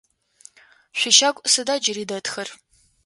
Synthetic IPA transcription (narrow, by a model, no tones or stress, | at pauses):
ʃʷɪʃaɡʷʼsɨdaːd͡ʒɪriːdɐtʰxɐr